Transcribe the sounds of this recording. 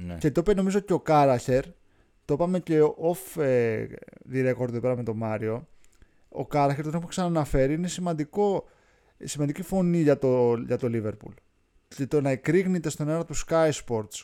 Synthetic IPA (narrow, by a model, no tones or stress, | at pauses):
nce̞t̪openo̞mizoceo̞kɐɾɐçe̞ɾ | t̪opɐme̞ce̞ʔofe | ðiɾe̞ko̞ɾðeðopeɾɐme̞t̪o̞mɐɾio̞ | o̰kɐɾɐçeɾt̪onepuksɐnɐnɐfe̞ɾiinesimɐnd̪iko̞ | simɐnd̪icifo̞niʝɐt̪oʝɐt̪o̞live̞ɾpṵl | cet̪onɐekɾiɣnet̪e̞st̪o̞neɾɐt̪uskɐjspo̞ɾt̪s